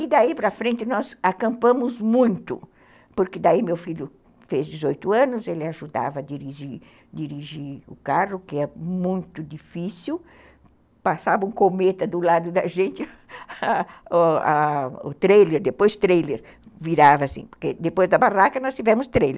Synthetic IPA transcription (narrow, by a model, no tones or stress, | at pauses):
ɪd̪aipɾɐfɾẽnt̪ɪnɔzakɐ̃mpɐ̃mʊzmũj̃t̪ʊ | poɾkɪd̪aimewfiljʊ | fezd̪ɪzojt̪ʊɐ̃nʊzelɪaʒud̪a̰vɐːd̪iɾiʒiɾ | d̪iɾiʒiɾʊ̰karʊkɪɛmũj̃t̪ʊd̪ifisiw | pasavɐũkomet̪ɐd̪ʊlad̪ʊd̪ɐʒẽnt̪ɪ | aʊ̰t̪ɾejleɾd̪epojst̪ɾejleɾ | viɾavɐasḭ̃poɾked̪epojzd̪ɐbarakɐnɔst̪ivɛ̃mʊst̪ɾejle